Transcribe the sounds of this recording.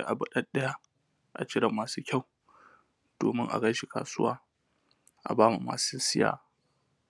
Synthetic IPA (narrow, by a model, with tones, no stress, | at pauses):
ḛ˦ʔa˨bʊ˦ɗɐ˦nɗɐ˦ja˦ | ʔa̰˨t͡ʃɪ˦ɽɐ˨mːaː˨suː˦kʲa˦˨w | d̥oː˨mɪ˦ŋʔa̰˨ɡɐ˦ʃi˨ka̰ː˨sʊ˦waː˦ | ʔa̰˨baː˦mu˨ma̰ː˨su˦sɪ˦ja̰ː˦˨